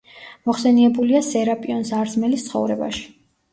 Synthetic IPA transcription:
mɔχsɛniɛbuliasɛɾapʼiɔnsaɾzmɛlist̪sʰχɔ̰vɾɛba̰ʃi̥

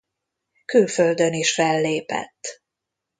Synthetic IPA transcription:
kylføld̪øniʃfɛlːeːpɛ̰t̪ː

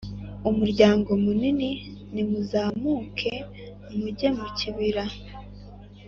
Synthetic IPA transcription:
umuɾɟaːŋɡo̞munininimuzaːmuːkʰe̞ | muɟe̞muciβiɾa

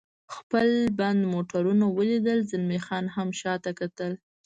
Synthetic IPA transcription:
xpəlband̪moʈaɾunawəlid̪əlzɪlmexɑnɦamʃɑt̪akat̪əl

